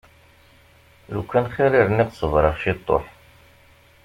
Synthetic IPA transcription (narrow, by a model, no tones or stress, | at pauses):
lukːænχiɾiɾniqsˤəvɾˤəʁʃit̪ˤːo̰ħ